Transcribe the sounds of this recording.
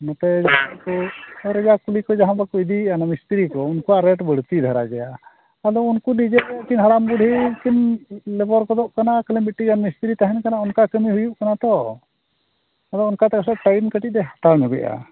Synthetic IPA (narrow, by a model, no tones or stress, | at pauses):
nɔt̪ɛd͡ʒaɦakɔɾɛbakulikɔd͡ʒaɦãbakɔid̪ianamist̪iɾikɔunkuaɾɛʈbəɽt̪id̪ʱaɾaɡɛja | ad̪ɔunkuɖid͡ʒɛɛkinɦaɽamɡuɖʱikinlɛbɔɾkɔd̪ɔʔkanakəlɛbiʈːiɡanmist̪iɾit̪aɦɛnkanaɔnkakəmiɦujuʔkanat̪ɔ | ad̪ɔːnkat̪ɛkasɛʔ̚ʈajnkəʈid̪ɛɦḁt̪aɾnɛɡɛʔa̰